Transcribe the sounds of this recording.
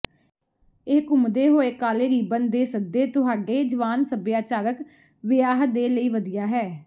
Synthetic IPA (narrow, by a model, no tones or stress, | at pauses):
ɪːkʊmd̪eːɦoːeːkaːleːɾiːbənd̪eːsək̚d̪eːt̪ʊɦaːɖeːd͡ʒəʋaːnsəbjaːt͡ʃaːɾək | ʋɪjaːɦd̪eːləiːʋəd̪ijaːɦɛː